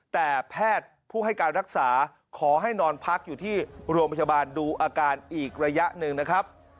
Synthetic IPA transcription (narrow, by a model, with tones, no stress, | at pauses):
t̪ɛː˨˩pʰɛː˥˩t̪̚pʰuː˥˩ɦa˥˩jkaː˧nɾa˦˥k̚saː˩˦ | kʰɔː˩˦ɦa˥˩jnɔː˧npʰa˦˥k̚juː˨˩t̪ʰiː˥˩ɾu˧əmpʰa˧jaː˧baː˧nduː˧ʔaː˧kaː˧nʔiː˨˩k̚ɾa˧ja˦˥ʔnɯ˧ŋna˦˥kʰɾa˦˥p̚